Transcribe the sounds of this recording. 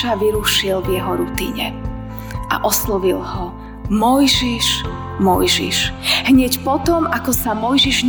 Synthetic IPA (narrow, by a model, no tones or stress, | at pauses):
aʋiɾuʃilvjɛɦɔɾut̪ḭːɲɛ̰ | ʔa̰ʔɔslɔʋilhɔ | mɔjʒiʃ | mɔ̰jʒḭʃɦɲɛcpɔt̪ɔmakɔsamɔjʒiʒɲ